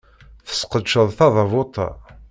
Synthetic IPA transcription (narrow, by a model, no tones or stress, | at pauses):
θə̥sqəd̪ʃəðˤθɑðˤɑvʊt̪ˤɑ̰